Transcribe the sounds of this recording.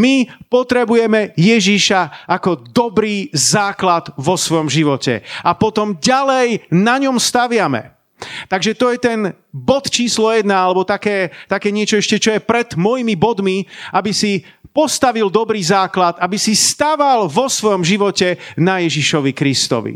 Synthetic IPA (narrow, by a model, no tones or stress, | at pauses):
mipɔt̪ɾɛbujɛmɛjɛʒiʃaʔakɔd̪ɔbɾiːzaːklad̪ʋɔsʋɔjɔmʒiʋɔcɛ̰apɔt̪ɔmɟalɛjnaɲɔmst̪aʋɪamɛ̰ | t̪aɡʒɛt̪ɔjɛt̪ɛn | bɔt̪t͡ʃiːslɔjɛd̪naalɛbɔt̪akɛːt̪akɛːɲɪɛt͡ʃɔɛʃcɛt͡ʃɔjɛpɾɛd̪mɔjimibɔd̪miabisi | pɔst̪aʋild̪ɔbɾiːzaːklat̪abisist̪aʋalʋɔsʋɔjɔmʒiʋɔcɛnajɛʒiʃɔʋikɾist̪ɔ̰ʋḭ